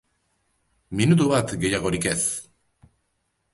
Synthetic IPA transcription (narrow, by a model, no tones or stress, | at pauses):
minut̪̬oβat̪ɡejaɣoɾikes